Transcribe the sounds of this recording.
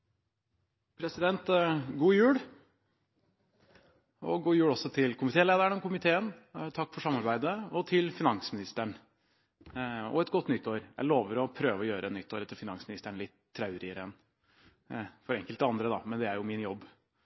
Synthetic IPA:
pʰɾɛsɪd̪ɛnt̪ɡuːjʉːɽ | ɔ̰ɡuːjʉːɽɔsːɔt̪ʰɪlkʰʊmɪt̪ʰeːleːd̪əɾəɳɔkʰʊmɪt̪ʰeːənt̪ʰɑkːfɔʂɑmːɑɾbæɪd̪əɔt̪ʰɪlfɪnɑŋsmɪnɪst̪əɳ | ɔ̰ɛt̪ɡɔt̪ːnʏt̪ːoːɾjæ̰ɪloːʋəɾɔpʰɾøːʋəɔjøːɾəɛt̪nnʏt̪ːoːɾɛt̪ːəfɪnɑŋsmɪnɪst̪əɳlɪt̪ʰːɾɑʉɾɪəɾəɛn | fɔɾɛŋkəlt̪əɑnd̪ɾəd̪ɑ̰mɛnd̪ɛæɾjʊmɪnjɔbː

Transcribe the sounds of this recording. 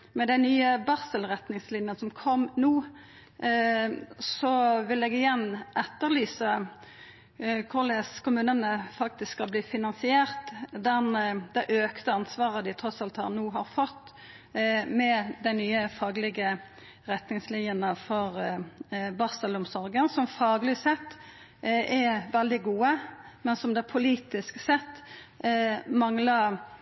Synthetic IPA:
mɛd̪ɛnyːəbɑʁsəlʁɛt̪nɪŋslɪnjənsɔmkʰɔmnuː | sɔʋɪlɛɡɪjɛnːʔɛt̪ːəʁlyːsə | kʰʊʁlɛskʰʊmʉːnənəfɑk̚t̪ɪsskːɑlbliːfɪnɑnsɪeːʁt̪d̪ɛnd̪̥ɛʔøːkt̪əɑnsʋɑːʁəd̪ɪt̪ʰɾɔsɑlt̪hɑ̰ʁnuːɦɑɾfɔt̪ː | mɛd̪ɛɪnyːəfɑːɡlɪɡə | ʁɛt̪nɪŋslɪənəfɔʁ | bɑsɑlʊmsɔɾɡənsɔmfɑːɡlɪsɛt̪ː | ʔɛʋɛld̪ɪɡuːəmɛnsɔmd̪ɛpʰʊliːt̪ɪsksɛt̪ː | mɑŋlɑ

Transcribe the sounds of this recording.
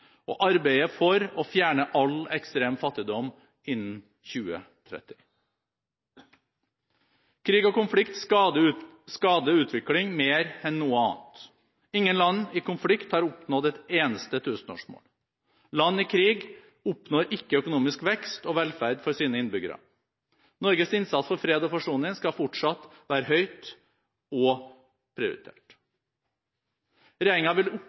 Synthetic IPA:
ʔo̰ːʔɑɾbæɪəfɔɾɔfjæːɳəʔɑlɛkst̪ɾeːmfɑt̪ːɪd̪ɔm | ɪnn̩ | çʉːə̰ | t̪ʰɾɛ̰t̪ɪ̥ | kʰɾiːɡoːkʊnflɪkt̪ | skɑːd̪əʉːt̪ʰʋɪklɪŋmeːɾɛnːuːəɑ̰ːnt̪ | ɪŋːənlɑnːɪkʊnflɪkt̪hɑːɾʊpnɔd̪ɛt̪eːnəst̪ət̪ʰʉːsn̩o̰ːʂmo̰ːl | lɑnːɪkʰɾiːɡ | ʊpnoːɾʔɪkːəœkʊnuːmɪskʋɛkst̪ɔʋɛlfæɾd̪fɔɾsiːnəɪnbʏɡəɾɑ̰ | nɔɾɡəsɪnsɑt̪sfɔɾfɾeːd̪ɔpʰɑʂuːnɪŋskɑfɔʈʂɑt̪ːʋæːɾəɦœʏt̪ | ɔ | pʰɾɪʊ̰ɾɪ̰t̪ʰḛːʈ | ɾeːɾɪŋɑʋɪlʊ

